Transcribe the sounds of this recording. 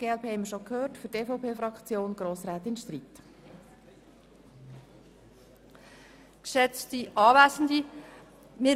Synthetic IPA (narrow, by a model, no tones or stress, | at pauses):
ɡ̥eːɛlpʰeːhɛɪməɾʃokʰhøːrtfʏɾteːfɔpʰeːfɾɑkχt͡sjoːnɡ̥ɾoːsɾæːt̪ɪnʃt̪riːt̪ | kʃɛt͡stiʔɑːʋæsn̩di | mɪ